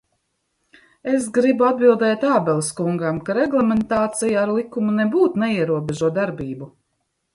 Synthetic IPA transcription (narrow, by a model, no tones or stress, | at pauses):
esɡɾibuad̪̚bilˠd̪ɛːt̪aːbɛlˠskuŋɡamkaɾɛɡlˠɛment̪aːt̪sijaaɾlˠikumunɛbuːt̪nɛiɛɾuɔbeʒuɔt̪d̪aɾbiːbu